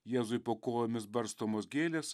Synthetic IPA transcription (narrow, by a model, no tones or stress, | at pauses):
jeːzʊɪpoːkoːjoːmʲɪsbɐɾst̪oːmoːsɡʲeːlʲes